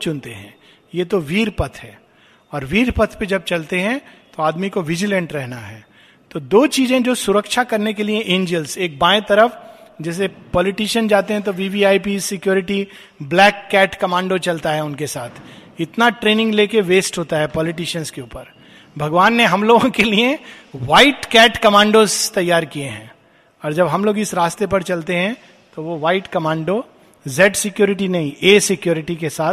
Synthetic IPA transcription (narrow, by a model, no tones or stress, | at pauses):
t͡ʃʊ̃nt̪eɦɛ̰̃ː | jet̪oʋiːɾpɐt̪ʰɦɛː | ɔːɾʋiːɾpɐt̪ʰped͡ʒɐb̚t͡ʃɐlt̪eɦɛ̃t̪oaːd̪mikoʋɪd͡ʒɪlə̃ɳʈɾɛɦnaɦɛː | t̪od̪oːt͡ʃiːzẽd͡ʒoːsʊɾəkʃakɐɾnekelieʔẽːɲd͡ʒəlseːk̚baːẽt̪ɐɾəfd͡ʒɛːs̬epɔːlɪʈiːʃənd͡ʒaːt̪eɦɛ̃t̪̬oʋiːʋiaːipiːsɪkjuːɾɪʈi | blɛːkːɛːʈkɐmãːɳɖot͡ʃɐlt̪aɦɛʊnkesaːt̪ʰɪt̪naʈɾeːnɪ̃ŋɡleːkeʋeːsʈɦoːt̪aɦɛpɔːlɪʈiːʃənskeuːpəɾ | bʱɐɡʋaːnːeɦɐmloːɡõkelieʋaːɪʈkɛːʈkɐmãːɳɖozt̪ɐjːaːɾkieɦɛ̃ː | ɔːɾd͡ʒɐbɦɐmloːɡɪsɾaːst̪epɐɾt͡ʃɐlt̪eɦɛ̃ | t̪oʋoʋaːɪʈkɐmãːɳɖo | zɛːɖsɪkjoːɾɪʈ̬inɐɦĩʔeːsɪkjoːɾɪʈikesaːt̪ʰ